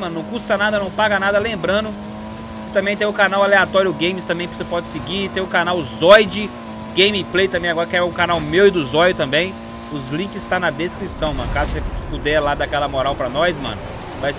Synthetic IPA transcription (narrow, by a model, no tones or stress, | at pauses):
mɐ̃nʊnɐ̃w̃kust̪ɐnad̪ɐnɐ̃w̃paɡɐnad̪ɐlẽmbɾɐ̃d̪ʊ | kɪ̥t̪ɐ̃mbẽj̃t̪ẽj̃ʊkanawaleat̪ɔɾjʊʊɡẽj̃mɪst̪ɐ̃mbẽj̃posepɔd͡ʒɪsɪɡit̪ẽj̃ʊkanawzɔjd͡ʒɪ | ɡẽjmiplejt̪ɐ̃mbẽj̃aɡɔɾɐkɪɛũkanawmewɪd̪ʊzɔjʊt̪ɐ̃mbẽj̃ | ʊzlĩkɪst̪ɐ̃nɐd̪eskɾisɐ̃w̃mɐ̰̃nʊkaɾsepud̪ɛlad̪akɛlɐmoɾawpɾɐnɔjsmɐ̰̃nʊ | vajs